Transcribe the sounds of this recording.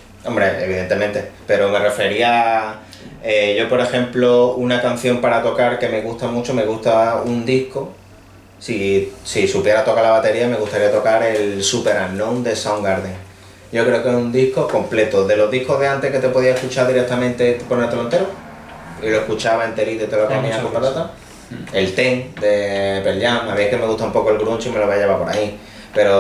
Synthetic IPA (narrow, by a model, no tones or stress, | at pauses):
o̞mbɾeeβ̞iðe̞nt̪e̞mẽ̞nt̪e̞pe̞ɾo̞me̞re̞fe̞ɾia | eʝo̞po̞ɾe̞xe̞mplo̞unakan̟θjo̞mpaɾat̪o̞kaɾke̞me̞ɣust̪amut͡ʃo̞me̞ɣ̞ust̪aund̪ihko | sisisupje̞ɾat̪o̞kalaβat̪e̞ɾiame̞ɣust̪aɾiat̪o̞kaɾe̞lsupe̞ɾanond̪e̞sawŋɡaɾðeŋ | ɟ͡ʝo̞kɾe̞okeɾund̪ihko̞ko̞mple̞t̪oðe̞lo̞ɦðihkoɦðeant̪eke̞t̪e̞po̞ðiaekut͡ʃaɾðiɾek̚t̪amẽnt̪e̞ponelt̪elont̪eɾo | iloe̞hkut͡ʃaβaent̪eɾit̪ot̪elokamĩakoalat̪a | e̞lt̪eŋd̪e̞pelʎaŋaβiekeme̞ɣuht̪aumpo̞koe̞lɣɾunt͡ʃime̞loβaajeβapo̞ɾa̰i | pe̞ɾo̞